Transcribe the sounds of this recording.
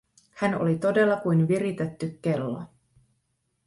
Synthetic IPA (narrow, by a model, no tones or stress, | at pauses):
hæno̞̰lit̪o̞de̞lːɑkujnʋiɾit̪et̪ːykːe̞lːo̰